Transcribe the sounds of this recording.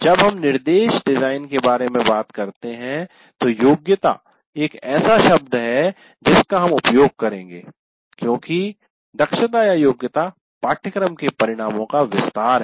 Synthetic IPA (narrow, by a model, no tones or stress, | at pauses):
d͡ʒɐbɦɐmnɪɾd̪eːʃɖɪzaːɪnkebaːɾemẽbaːt̪kɐɾt̪eɦɛ̃ | t̪ojoːɡjət̪a̰ː | eːkɛːsaʃɐb̚d̪ɦɛ | d͡ʒɪskaɦɐmʊpjoːɡ̚kɐɾẽːŋɡeː | kjõːki | d̪ɐkʃət̪aːjajoːɡjət̪a | paːʈʰəkɾəmkepɐɾɪɽ̃aːmõkaʋɪst̪aːɾɦɛ